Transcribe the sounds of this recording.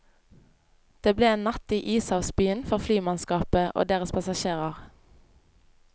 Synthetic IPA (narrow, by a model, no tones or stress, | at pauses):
d̪̥eːbleːeːnnɑt̪iːʔiːsɑʊsbyːənfɔʁflyːmɑnskɑːpəʔo̰ːd̪eːʁəspʰɑsɑʃeːʁɑʁ